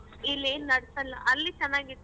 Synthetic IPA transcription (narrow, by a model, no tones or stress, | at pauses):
ilːeːnunɐɽsɐlːɐ̰ʔɐlːit͡ʃɛnːaːɡi